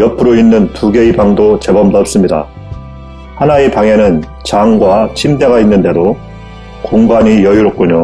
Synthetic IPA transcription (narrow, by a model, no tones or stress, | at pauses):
jʌpʰɯɾoinːɯntuɡe̞ibaŋdot͡ɕe̞bʌmdʌp̚s͈ɯmɲida̰ | hanaepaŋe̞nɯn | t͡ɕaŋɡwat͡ɕʰimde̞ɡainːɯnde̞do | koŋɡaɲijʌjuɾok̚k͈uɲo